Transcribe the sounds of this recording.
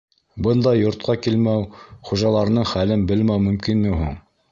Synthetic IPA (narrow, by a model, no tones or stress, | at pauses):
bɤnd̪ɑjŏɾt̪̚qɑkilmæwχuʒɑlˠɑɾnɤɴχælɘnbɘ̆lmæwmɵ̆mkinːɘɦṵɴ